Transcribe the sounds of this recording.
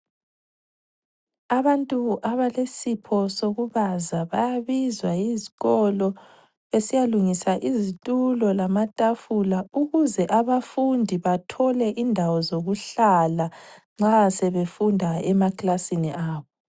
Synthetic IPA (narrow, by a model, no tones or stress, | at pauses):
aβantʼuʔaβalesipʰɔsoɣuβazaβajaβizwaiziɣɔlɔ | esijaluŋisaʔizitʼulɔlamatʼafulauɣuzɛʔaβafundʱiβatʰɔlɛʔindʱawɔzoɣuɬala | ŋ͡ǁasɛβefundʱaɛmakʼlasiniʔaːβɔ